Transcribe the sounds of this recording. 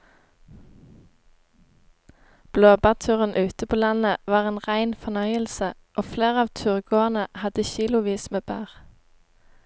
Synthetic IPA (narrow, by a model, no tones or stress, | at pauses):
b̥loːbæːʁt̪ʰʉːʁənʔʉːt̪əpʰoːlɑnəʋɑːʁeːnʁæɪnfɔnœʏəlsə | ʔoːfleːʁɑːʋt̪ʰʉːʁɡoːənəhɑd̪əçiːlʊʋiːsmeːbæːʁ